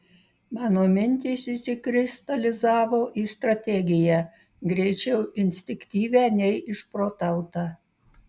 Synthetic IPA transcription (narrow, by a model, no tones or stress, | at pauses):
mɑːnoːmʲɪnʲt̪ʲiːsisʲɪkɾʲɪst̪ɐlʲɪzɑːʋoːʔiːst̪ɾɐt̪ʲɛɡʲɪjæ | ɡɾʲɛɪt͡ʃʲɛʊʔɪnʲsʲt̪ʲɪkt̪ʲiːʋʲæːnʲɛɪʔɪʃpɾoːt̪ɐʊt̪ɑː